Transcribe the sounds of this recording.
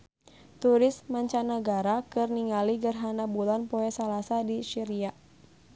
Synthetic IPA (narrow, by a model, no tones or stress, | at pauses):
t̪uɾɪsmaɲt͡ʃanəɡaɾakɨrniŋaliɡərɦanabulanpɔɛsalasadisiɾia